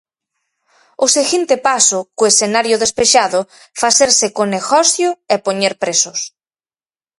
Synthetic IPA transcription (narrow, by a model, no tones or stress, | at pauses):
ʊseɣint̪epasʊkʊesθenaɾjʊðespeʃaðʊ | faθeɾsekoneɣɔsjʊepoɲeɾpɾesʊs